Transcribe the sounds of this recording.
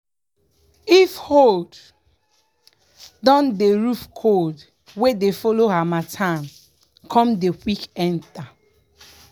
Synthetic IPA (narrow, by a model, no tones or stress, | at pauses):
ifhod | dɔ̃ndeɹufkʰod | wedefɔloɦamatʰãn | kʰɔ̃mdewikɛ̃nta